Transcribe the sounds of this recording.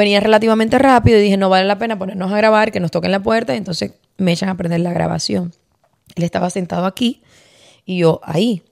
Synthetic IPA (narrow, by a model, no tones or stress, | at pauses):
e̞niarelat̪̬iβamẽ̞nt̪e̞rapiðoiðihe̞no̞βale̞lape̞napo̞ne̞ɾno̞saɣɾaβaɾke̞no̞st̪o̞ke̞ŋlap̬we̞ɾt̪aie̞nt̪o̞nse̞s | me̞et͡ʃaŋape̞ɾðe̞ɾlaɣɾa̰βa̰sjo̞ŋ | e̞le̞st̪aβasent̪að̞oakiː | ʝo̞ʔa̰i